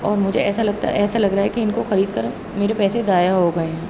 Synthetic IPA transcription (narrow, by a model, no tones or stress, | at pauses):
ɔːɾmʊd͡ʒʱeɛːsalɐɡt̪a̰ʔɛːsalɐɡɾaaɦɛkiɪnkoxɐɾiːd̪kɐɾ | meːɾepɛːsezaːjaɦoɡɐẽɦɛ̃ː